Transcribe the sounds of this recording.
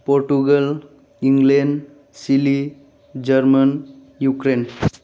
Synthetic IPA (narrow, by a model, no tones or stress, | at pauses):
poɾʈuɡəl | iŋɡleɳɖ | sili | d͡ʒəɾmən | jukɾen